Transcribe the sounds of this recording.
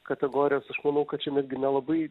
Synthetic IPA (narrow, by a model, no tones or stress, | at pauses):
kɐt̪ʲɛɡoːɾʲɪjoːsɐʃmɐnɐʊkɐt̚t͡ʃʲɛnʲɛd̪ʲɡʲɪnʲɛlˠɐbɐɪ